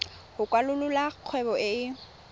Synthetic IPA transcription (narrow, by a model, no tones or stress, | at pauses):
hʊkʼwalʊlʊlaq͡χʰwɛbɔɪ